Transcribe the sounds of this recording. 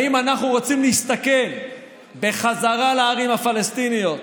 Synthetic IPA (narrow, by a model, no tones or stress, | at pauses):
imanaχnuʁot͡simleist̪ake̞n | be̞χazaʁalaːʁimhafalest̪inijo̞t̪